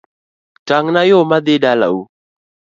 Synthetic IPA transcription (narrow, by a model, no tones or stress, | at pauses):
taŋnajomaðɪɗala̰u